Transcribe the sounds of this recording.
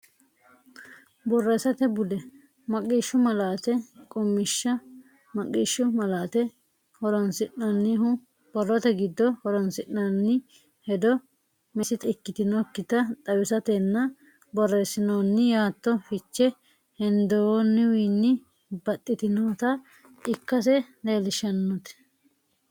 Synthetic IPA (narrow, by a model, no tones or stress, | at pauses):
bɔrːeːsɐt̪ɛbʊd̪ɛ | mɐkʼːiːʃːʊmɐlaːt̪ɛkʼʊmːɪʃːɐ | mɐkʼiʃːʊmɐlaːt̪ɛ | hɔɾɔnsɪʔnɐnːɪɦʊ | b̥ɔrːɔt̪ɛɡɪd̪ːɔhɔɾɔnsɪʔnɐnːɪ | hɛd̪ɔ | mɛsɪt̪ɪkːɪt̪ɪnokːɪt̪ɐt̪ʼɐwɪsɐt̪ɛnːɐ | bɔrːeːsɪnoːnːɪjaːt̪ːɔfɪt͡ʃːɛ | hɛnd̪owonːɪwiːnːɪ | bɐt̪ʼːɪt̪ɪnoːt̪ɐ | ɪkːɐs̬ɛleːlɪʃɐnːʊt̪ɛ̥